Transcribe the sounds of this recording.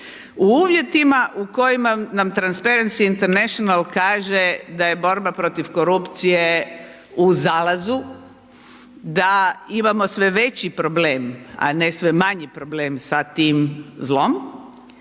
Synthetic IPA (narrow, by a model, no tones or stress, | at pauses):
uuːʋje̞t̪imaʔuko̞jimanamt̪ɾanspeɾensiːnt̪eɾneʃonalkaːʒed̪aje̞bo̞ɾbapɾo̞t̪ifko̞ɾupt̪sije̞ | uzaːlazu | d̪aimamo̞sʋe̞ʋe̞t͡ɕipɾo̞bleːma̰nesʋemaɲipɾobleːmsat̪iːmzlo̞m